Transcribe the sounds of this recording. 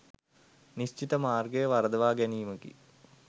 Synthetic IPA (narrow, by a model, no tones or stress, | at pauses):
niɕt͡ʃit̪ɐmaːrɡɐjɐʋɐrɐd̪ɐʋaːɡɛnijumɐkḭ